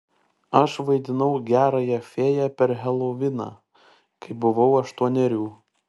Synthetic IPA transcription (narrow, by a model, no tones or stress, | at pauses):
ɐʃʋɐɪd̪ʲɪnɐʊɡʲæːɾɐjɛfʲeːjɛpʲɛɾɦʲɛlˠoʋʲɪnɑ̰ː | kɐɪbʊʋɐʊɐʃt̪uɔnʲɛɾʲuː